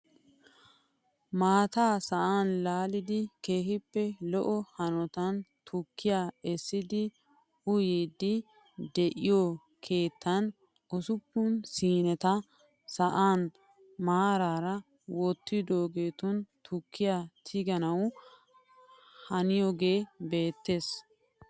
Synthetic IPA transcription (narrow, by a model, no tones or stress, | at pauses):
maːt̪aːsɐʔaːnlaːlɪd̪ɪke̞ːɦɪpːɛlɔʔɔhɐnɔt̪ɐnt̪ʰʊkːɪjaːɛsːɪd̪ɪ | ʊjiːd̪ːɪ | d̪ɛʔɪjɔ | kʰe̞ːt̪ʰːɐn | ʔɔsʊpːʊnsiːnɛt̪ɐ | sɐʔaːn | maːɾaːɾɐ | wɔt̪ːɪd̪o̞ːɡe̞ːt̪ʊnt̪ʰʊkʰːɪjaːt̪ʰɪɡɐnɐw | hɐnɪjɔɡeːbe̞ːt̪ːe̞ːs